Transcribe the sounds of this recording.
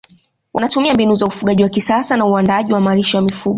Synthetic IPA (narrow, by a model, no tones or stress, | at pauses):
wʔanatumiambinuzaufuɠaʄiwakisasanauandaʄiwamaɾiʃɔjamifuɠɔ